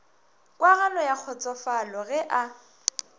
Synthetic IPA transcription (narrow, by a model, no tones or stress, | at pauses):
kʼwaɣalɔjak͡xʰɔt͡sʼɔfalɔɣɛʔa